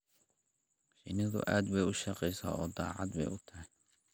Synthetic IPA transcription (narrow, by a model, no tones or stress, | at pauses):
ʃɪ̰nɐðʊ̰ʔaːd̪bɛjʊʃɐqɛjsa̰ːɔːd̪ɑːʕɑd̪bɛ̰jʊt̪ʰɐɦɛ